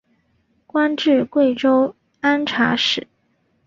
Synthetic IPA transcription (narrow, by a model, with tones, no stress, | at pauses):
kwa˥nʈ͡ʂɻ̩˥˧kwe˥˩ɪʈ͡ʂo˥ʊ | a˥nʈ͡ʂʰa̰˧˥ʂɻ̩˥˨˩